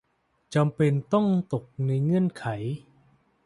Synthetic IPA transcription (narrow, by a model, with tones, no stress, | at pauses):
t͡ɕa˧mpe˧nt̪ɔ˥˩ŋt̪o˨˩k̚na˧jŋɯ˧˥ə˨nkʰa˩˦j